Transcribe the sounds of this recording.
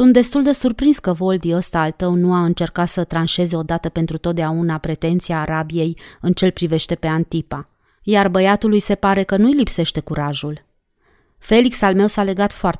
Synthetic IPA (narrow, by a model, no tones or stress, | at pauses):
sunt̪d̪e̞st̪uld̪e̞surpɾinskəvo̞ld̪iəst̪aːlt̪əwnuaɨnt͡ʃe̞rkat̪sət̪ɾanʃe̞ze̞o̞d̪at̪əpe̞nt̪ɾut̪ot̪̚d̪eaunapɾe̞t̪e̞nt̪siaːɾabije̞jɨnt͡ʃe̞lpɾive̞ʃt̪e̞pe̞ant̪ipa | jarbəjat̪ulujse̞paɾe̞kənujlipse̞ʃt̪e̞kuɾaʒul | fe̞liksalme̞wsale̞ɡat̪foart̪